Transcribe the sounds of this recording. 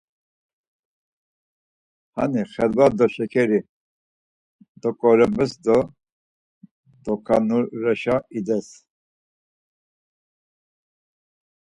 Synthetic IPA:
ha̰niχɛlbad̪ɔʃɛkʰɛɾi | d̪ɔkʼɔɾɛbəsd̪ɔ | d̪̥ɔkʰanuɾɛʃaid̪ɛs

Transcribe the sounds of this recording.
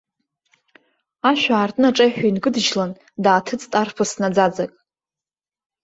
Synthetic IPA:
aʃʷᶣaːrtʼnɨaʈ͡ʂʼajħʷᶣijnɡɨdʒlan | daːtʰɨt͡sʼtʼarpʰasnad͡zad͡zakʼ

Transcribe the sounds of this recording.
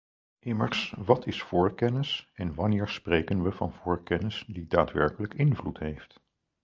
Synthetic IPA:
ʔɪməɹsʋɑtɪsfʊːɹkɛnɪsɛnʋɑnɪːɹsprejkənʋəvɑ̰nvʊːɹkɛnɪsdidaːtʋɛɹkələkɪnvlutɦejft

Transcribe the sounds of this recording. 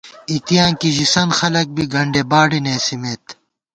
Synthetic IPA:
it̪jaːnkiʑisɐnxɐlɐk̚biɡɐɳɖebaːɽineːsimeːt̪

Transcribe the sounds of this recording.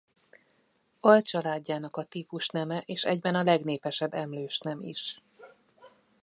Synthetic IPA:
ɒlt͡ʃɒlaːɟːaːnɒkɒt̪iːpuʃnɛmɛʔeːʃɛ̰ɟbɛnɒlɛɡneːpɛʃɛbːɛmløːʃnɛmḭʃ

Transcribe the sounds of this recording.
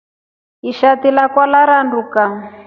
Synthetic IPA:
iʃat̪ilakwalaɾanduka

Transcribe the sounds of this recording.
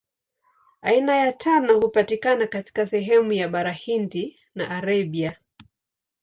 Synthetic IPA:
ainajatʰanɔhupatikanakati̥kasɛɦɛmujaɓaɾahindi | na̰ʔːɾaɓia

